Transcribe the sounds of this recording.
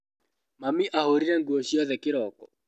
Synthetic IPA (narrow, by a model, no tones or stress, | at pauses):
mamiʔahoɾiɾɛŋɡuɔɕiɔðɛkɪɾɔkɔ